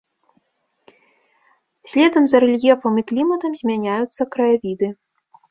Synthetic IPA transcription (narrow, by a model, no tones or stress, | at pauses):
sʲlʲɛd̪ɐmzɐɾɛlʲjʲɛfɐmiklʲimɐt̪ɐmzʲmʲanʲajut̪sːɐkɾɐjavʲid̪ɨ